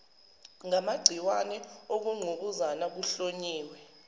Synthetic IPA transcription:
ŋamaɡ͡ǀʱiwanɛok̬uŋ͡ǃʱuk̬uzanak̬uɬoɲiːwɛ

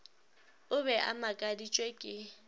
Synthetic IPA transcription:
ʊbɛʔa̰makʼadit͡ʃʼwɛkʼɪ

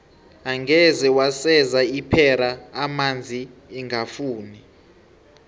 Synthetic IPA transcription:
aŋɡʱɛzɛwasɛzaipʰɛɾaːmand͡zʱiːŋɡʱafuːni

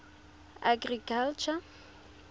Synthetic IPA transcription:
aɡrikʰalt͡ʃʰa

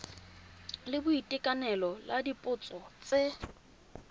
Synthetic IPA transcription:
lɪbʊitʼɪkʼanɛlɔladipʼʊt͡sʼɔt͡sʼɪ

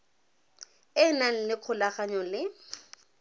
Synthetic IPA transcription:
ɪnan̩lɪq͡χʰʊlaχaɲɔlɪ

